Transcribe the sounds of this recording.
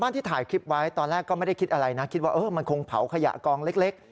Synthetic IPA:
baː˥˩nt̪ʰiː˥˩t̪ʰaː˩˦jkʰɾi˦˥p̚wa˦˥jt̪ɔː˧nlɛː˥˩kːɔː˥˩ma˥˩da˥˩jkʰi˦t̪ʔa˧ɾa˧jna˦˥kʰi˦˥t̪̚waː˥˩ʔɤː˧˩ma˧nkʰo˧ŋpʰa̰˨˩˦wkʰa˧ja̰˨˩ʔkɔː˧ŋle˦˥k̚le˦˥k̚

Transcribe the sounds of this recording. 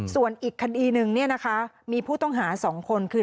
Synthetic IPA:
su˨˩ənʔiː˨˩kʰːa˧diː˧nɯ˨ŋni˥˩ɐna˦˥kʰa˦˥ | miː˧pʰuː˥˩t̪ɔ˥˩ŋɦaː˩˦sɔː˩˦ŋkʰo˧nkʰɯː˧

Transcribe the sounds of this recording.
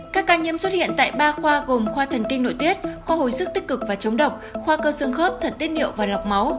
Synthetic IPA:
kaː˦˥kːaː˧ɲi˧˥əmswə˦˥t̚hḭ˧˨ənt̪a̰ː˧˨jɓaː˧xwaː˧ɣo˨˩mxwaː˧t̪ʰə˨˩nkï˧ŋ̟no̰˧˨jt̪i˦˥ət̚xwaː˧ho̰˧˨jsɨ˦˥k̚t̪i˦˥k̚kɨ˨˩k̚vaː˨˩t͡ɕə˨˦wŋ͡mɗə˨˩wk͡p̚xwaː˧kəː˧sə˧əŋxəː˦˥p̚t̪ʰə˨˩t̚t̪i˦˥ənɗḭ˧˨əwvaː˨˩la˨˩wk͡p̚ma˨˦w

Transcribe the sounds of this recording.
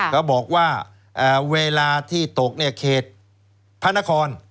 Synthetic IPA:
kʰa˦˥˩wbɔː˨˩k̚waː˥˩ | ʔaː˨˩weː˧laː˧t̪ʰiː˥˩t̪o˨˩k̚ni˥˩ɐkʰeː˨˩t̪̚ | pʰa˥˩nːa˦˥kʰɔː˧n

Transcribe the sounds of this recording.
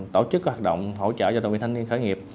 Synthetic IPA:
t̪o˧˩t͡ɕɨ˦˥k̚ːwaː˨˩ɗə̰˧˨wŋ͡mɦo̰˧˨t͡ɕə̰ː˧˨ɔ˧ə˨wḭ˨t̪ʰŋnvi˧nxəː˧˦jŋi˨˩əp̚

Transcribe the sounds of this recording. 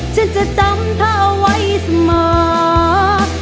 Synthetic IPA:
t͡ɕʰa˦˥nt͡ɕa˧˩˨t͡ɕa˧˦˥mt̪ʰaː˧˩ʔa˧wa˧˥jsa˧mɤː˨˩˦

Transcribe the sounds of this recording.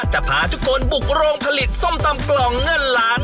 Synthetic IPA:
t͡ɕa˨˧˩pʰaː˨˩˦t͡ɕ̪ʰu˧˥koː˧nbu˨˩k̚ɾoː˧ŋpʰa˧li˨˩t̪̚so˥˩mt̪a˧mklɔː˨˩ŋːɤ˧˩nlaː˦˥n

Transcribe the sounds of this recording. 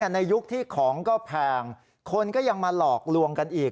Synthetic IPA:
na˧jːu˦˥k̚t̪ʰiː˥˩kʰɔː˩˦ŋkɔː˥˩pʰɛː˧˩ŋ | kʰo˧nkɔː˥˩ja˧ŋma˧lɔː˨˩k̚lu˧əŋka˧nʔiː˨˩k̚

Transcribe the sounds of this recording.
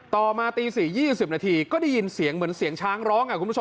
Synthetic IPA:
t̪ɔː˨˩maː˧t̪iː˧siː˨˩jiː˥˩si˨˩p̚naː˧t̪ʰiː˧kɔː˥˩da˥˩ji˧nsi˨˩˦əŋmɯ˩˦nsi˨˩˦əŋt͡ɕʰaː˦˥ŋɾɔː˦˥ŋkʰa˨˩kʰu˧˥˩

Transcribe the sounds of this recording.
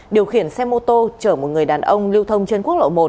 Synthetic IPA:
ɗi˨˩əwxi˧˩ənsɛ˧mo˧t̪o˧t͡ɕəː˧˩mo˨˩t̚ŋɨ˨˩əjɗaː˨˩nʔə˧wŋ͡mli˧wt̪ʰə˧wŋ͡mt͡ɕe˧nku˦˥ək̚lo̰˧˨mo˨˩

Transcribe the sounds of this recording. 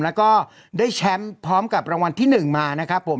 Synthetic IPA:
lɛː˦˥wkɔː˥˩ | daː˥˩jt͡ɕʰɛ˦˥mpʰɾɔː˦˥mka˨˩p̚ɾa˧ŋwa˧nt̪ʰiː˥˩nɯ˨˩ŋmaː˧na˦˥kʰɾa˦˥pʰːo˩˦m

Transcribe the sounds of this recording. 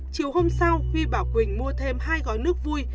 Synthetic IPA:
t͡ɕi˨˩əwho˧msa˧wxi˧ɓaː˧˩wkʷwï˧˩ŋ̟mu˧ət̪ʰe˧mhaː˧jkɔ˨˦nɨ˦˥ək̚vu˧j

